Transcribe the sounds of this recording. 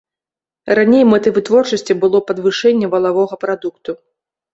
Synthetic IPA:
ranʲejmɛt̪ɨvɨt̪vɔrt͡ʂɐsʲt͡sʲibɨlˠɔpɐd̪vɨʂɛnʲːɛvɐlˠavɔɣɐpɾad̪ukt̪u

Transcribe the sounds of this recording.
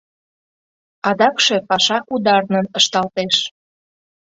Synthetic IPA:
ɑd̪ɑkʃepɑʃɑkud̪ɑrnənəʃt̪ɑlt̪eʃ

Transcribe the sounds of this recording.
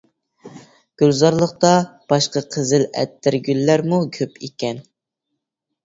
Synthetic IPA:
ɡ̥ʲylzɑɾlˠəχ̚t̪ɑb̥ɑʃqɑqʰəzɪlɛ̰t̪ːɪɾɡʲylːæɾmukʲʰøpʰekʲɛn

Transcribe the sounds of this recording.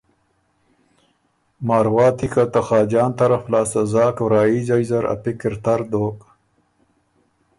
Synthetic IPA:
mɑːɾwɑːt̪ikat̪axɑːd͡ʒɑːnt̪ɐɾaflɑːsazɑːkwɾɑːizajzaɾa̰pikɪɾt̪aɾd̪oːk

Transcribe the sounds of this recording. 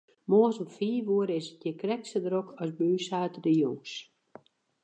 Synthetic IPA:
moːsomfiːʋuəɾəɪsət̚jəkrɛksədɾokʰɔsbyːsaːtədəjoŋs

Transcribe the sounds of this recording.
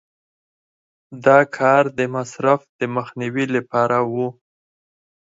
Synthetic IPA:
d̪ɑkʰɑɾd̪əmasɾafd̪̥əməxniwilapɑɾawu

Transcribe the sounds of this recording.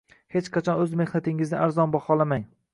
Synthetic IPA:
het͡ʃqʰɑt͡ʃʰɒnɵzme̞hnat̪ʰɪŋɪznɪʔaɾzɒnbɒχɒlˠamaŋ

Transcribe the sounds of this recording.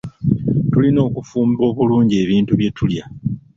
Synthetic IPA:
tulino̞ːkufuːmbo̞ːβuluːɲɟe̞ːβiːntuβje̞tʰulja

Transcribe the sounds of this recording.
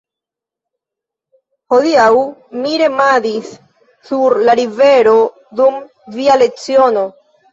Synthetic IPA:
ho̞diawmiɾe̞madisː | uɾlaɾive̞ɾo̞ | dum | viale̞kt͡sio̞no̞

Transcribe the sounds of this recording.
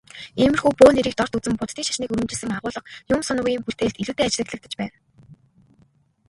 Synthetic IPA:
emɘ̆rxuːpoːneɾiːk̚t̪ɔr̥t̪ut͡sɘ̆mpʊt̪ʰːiːŋʃḁʃniːkɵɾɵ̆mt͡ɕɪ̆ɮsɘ̆ŋaʁʊːɮə̆qjʊmsʊnʊɣʲiːmpur̥t̪eːɮt̪iɮuːt̪eːat͡ɕɪɮə̆kɮə̆t̪ə̥̆t͡ɕpæːn

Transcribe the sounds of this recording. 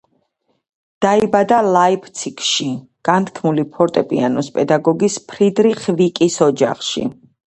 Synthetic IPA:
d̪̥aibad̪alˠaipʰt̪sʰikʰʃi | ɡ̥ant̪ʰkʰmulipʰɔɾt̪ʼɛpʼḭanɔspʼɛd̪aɡɔɡispʰɾid̪ɾiχvikʼisɔd͡ʒa̰χʃḭ

